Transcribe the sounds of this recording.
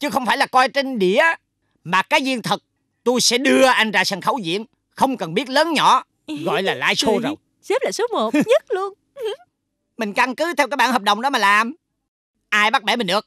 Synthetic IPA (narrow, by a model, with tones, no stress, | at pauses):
t͡ɕɨ˨˦xə˧wŋ͡mfaː˧˩jlaː˨˩kɔ˧jt͡ɕe˧nɗḭ˧˨ə | maː˨˩kaː˨˦jzi˧ənt̪ʰə˨˩t̚ | t̪o˧jsɛ̰˧˥ɗɨ˧əʔa˧jŋ̟zaː˧˨˩sa˨˩nxə˧˩wzḭ˧˨ən | xə˧wŋ͡mkə˨˩nɓi˦˥ət̚ləː˨˦nɲɔ̰˧˥ | ɣɔ̰˧˨jlaː˨˩la̰ː˧jso˧zo˨˩j | sɛ˦˥p̚laː˨˩su˨˦mo˨˩tɲə˦˥t̚lu˧ən | mï˨˩ŋ̟ka˧ŋkɨ˨˦t̪ʰɛ˧wkːaː˨˦˥jɓaː˧nhəː˨˩p̚ɗə˨wŋ͡mɗɔ˨˦maː˨˩laː˨˩m | ʔaː˧jɓa˦˥ɓɛ̰˧˥mï˨˩ŋ̟ɗɨ˨˩ək̚